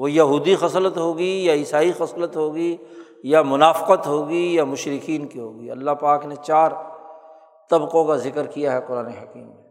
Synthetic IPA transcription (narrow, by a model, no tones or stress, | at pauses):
ʋojɐɦuːd̪ixɐslət̪ɦoːɡijaɪsaːixɐslət̪ɦoːɡi | jamʊnaːfɪ̥qət̪ɦoːɡijamʊʃɾɪkiːnkiɦoːɡiɐlːaɦpaːknet͡ʃaːɾ | t̪ɐbqõkazɪkəɾkijaɦɛqʊɾaːneɦɐkiːmne